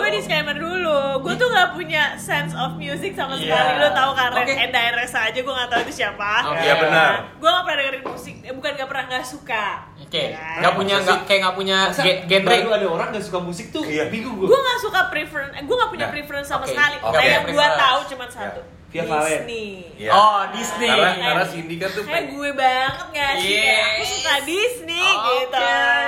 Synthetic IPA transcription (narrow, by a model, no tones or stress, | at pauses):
ɡuadiskamərduluɡuat̪uŋɡaʔpuɲasɛnsɔfmjusɪksamaskalidut̪aukarənaɛndaɛrasaːd͡ʒaɡuaŋɡat̪aut̪usiapaoabənaɡuaŋɡapəadəkəɾɪnmusɪk̚bukanɡapərnaŋɡaʔsuka | okeaŋɡapuɲaŋɡakajaŋɡapuɲaɡɛɡɛnɾiduadaoɾaŋɡasukamusɪk̚t̪ʊjabiɡuɡɡuaŋɡaʔsukapɾifɾɛnɡuaŋɡaʔpuɲapɾifɾɛnsamaskaliɡaapɾɡuat̪aut͡ʃumansau | fiaalɛni | jodisniaaɾasindikat̪ʊkajaɡuɛbaŋət̪̚ŋɡaasukadisniit̪